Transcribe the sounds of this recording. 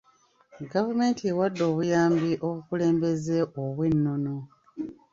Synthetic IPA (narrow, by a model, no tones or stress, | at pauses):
ɡavume̞ːntiewadːo̞ːβujaːmbiʔo̞βukule̞ːmbe̞ze̞ʔoβwenːo̞no